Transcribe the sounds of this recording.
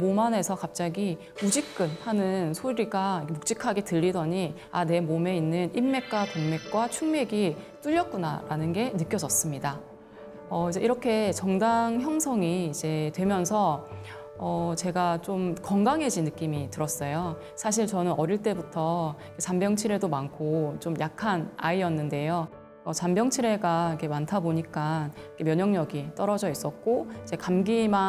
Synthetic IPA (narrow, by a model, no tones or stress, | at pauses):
momane̞sʰʌkap̚t͡ɕ͈aɡi | ud͡ʑik͈ɯnhanɯnsʰoɾiɡaikmok̚t͡ɕ͈ikʰaɡe̞tɯʎːidʌɲi | ane̞mome̞inːɯnimːe̞k̚k͈watoŋme̞k̚k͈wat͡ɕʰuŋme̞ɡi | t͈uʎːʌt̚k͈una̰ɾanɯnɡe̞nɯk͈jʌd͡ʑʌs͈ɯmɲida | ʌid͡ʑe̞ʔiɾʌkʰe̞t͡ɕʌŋdaŋçjʌŋsʰʌŋiːd͡ʑe̞twe̞mjʌnsʰʌ | ʌt͡ɕe̞ɡat͡ɕomkʌŋɡaŋɦe̞d͡ʑinːɯk͈imitɯɾʌs͈ʌjo | sʰaɕ̬ʰiɭt͡ɕʌnɯnʔʌɾiɭt͈e̞butʰʌiket͡ɕambjʌŋt͡ɕʰiɾe̞domankʰot͡ɕomjakʰanaijʌnːɯnde̞jo | ʌt͡ɕambjʌŋt͡ɕʰiɾe̞ɡaikʰe̞mantʰaboɲik͈anikʰe̞mjʌɲʌŋɲʌɡit͈ʌɾʌd͡ʑʌis͈ʌt̚k͈oid͡ʑe̞kamɡima